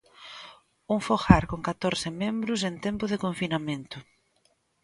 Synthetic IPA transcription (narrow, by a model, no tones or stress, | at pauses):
uŋfoxaɾkoŋkat̪oɾsɪmẽmbɾʊsent̪ɛmpʊðɪkoɱfinamẽnt̪ʊ